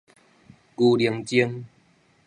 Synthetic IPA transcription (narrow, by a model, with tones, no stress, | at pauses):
ku˧li˨˩əŋt͡ɕi˦ŋ